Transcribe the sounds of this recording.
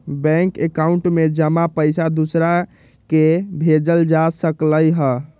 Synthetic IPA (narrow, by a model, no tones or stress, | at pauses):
bɛ̃ŋkekauɳʈmed͡ʒəmapəjsad̪usɾa | kebʱed͡ʒəld͡ʒasəkləjɦə